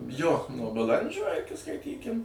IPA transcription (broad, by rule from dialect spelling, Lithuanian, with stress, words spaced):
joː nuɔ bɐˈlˠɐnʲd͡ʒʲoː ɪˈkʲɪ skɐɪˈtʲiːkʲɪm